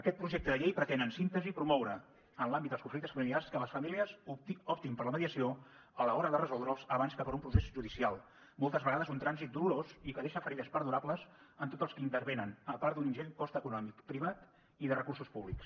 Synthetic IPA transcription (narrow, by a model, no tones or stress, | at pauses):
əkɛt̪̚pɾuʒeɛk̚t̪əðəʎejpɾət̪enənsint̪əziːpɾumɔwɾə | ənlambitd̪d̪əskuɱflik̚t̪əsfəmiliarskələsfəmiliəzɔp̚t̪impəɾləməðiəsio | ələɔɾəðərəzɔlˠd̪ɾəlˠzəβ̞anskəpəɾumpɾusezʒuðisialˠ | molˠt̪əzβəɣaðəzunt̪ɾanzit̪̚d̪uluɾozikəðeʃəfəɾɛðəspəɾðuɾapləzənt̪ot̪əlˠskint̪əɾβenənəpaɾuninʒeɲkɔst̪əkunɔmikpɾiβ̞at̪ | iðərəkursuspuβliks